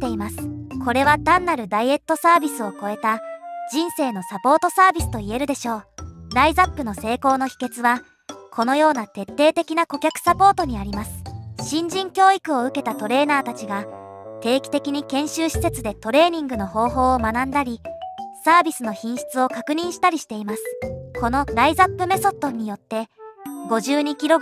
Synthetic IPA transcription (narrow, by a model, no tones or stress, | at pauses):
t̪ːe̞imasɨ̥kʰo̞ɾe̞βad̪ãnːaɾɯ̟d̪aie̞t̪ːo̞saːbʲisɨo̞ko̞e̞t̪ad͡ʑĩɰ̃se̞ːno̞sapo̞ːt̪o̞saːbʲisɨ̥t̪o̞ie̞ɾɯ̟d̪e̞ɕo̞ːd̪aizapːɯ̟no̞se̞ːko̞ːno̞çi̥ke̞t͡sɨβa | kʰo̞no̞jo̞ːnat̪e̞t̪ːe̞ːt̪e̞kʲinako̞kʲakɯ̥sapo̞ːt̪o̞ɲ̟iaɾʲimasɨ̥ɕĩɲ̟d͡ʑĩŋkʲo̞ːikɯ̟o̞ɯ̟ke̞t̪at̪o̞ɾe̞ːnaːt̪at͡ɕiɡat̪e̞ːkʲi̥t̪e̞kʲiɲ̟ikẽ̞ɰ̃ɕɨːɕi̥se̞t͡sɨd̪et̪o̞ɾe̞ːɲ̟ĩŋɡɯ̟no̞ho̞ːɦo̞ːmanãnd̪aɾʲisaːbʲisɨno̞çĩɰ̃ɕi̥t͡sɨo̞kakɯ̟ɲ̟ĩɰ̃ɕi̥t̪aɾʲiɕi̥t̪e̞imasɨ̥ko̞no̞ɾaizapːɯ̟me̞so̞t̪ːo̞ɲ̟ijo̞t̪ːe̞ɡo̞ʑɨːɲ̟ikʲiɾo̞